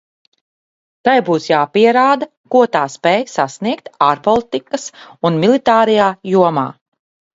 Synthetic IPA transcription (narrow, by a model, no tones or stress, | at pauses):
t̪ajbuːsjaːpiɛɾaːd̪a | kuɔt̪aːspɛːjsasniɛkt̪aɾpɔlˠit̪ikɐsunmilˠit̪aːɾɛjaːjuɔma̰ː